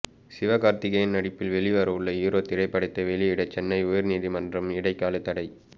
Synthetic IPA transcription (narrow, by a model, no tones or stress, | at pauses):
sɪʋɐɣaːɾt̪ɪɣɐjɪnnɐɽɪpːɪlʋɛɭɪʋɐɾɐɯɭːɐjiːɾoːt̪ɪɾɐɪpːɐɽɪt̪ːɐʋɛɭɪɪɽɐt͡ʃːɛnːɐɪʊjɐɾniːðimɐndrɐmɪɽɐɪkːaːlɯt̪ːɐɽɐɪ